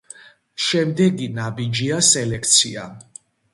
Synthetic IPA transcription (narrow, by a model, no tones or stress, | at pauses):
ʃɛmd̪ɛɡinabid͡ʒiasɛlɛkʰt̪sʰia̰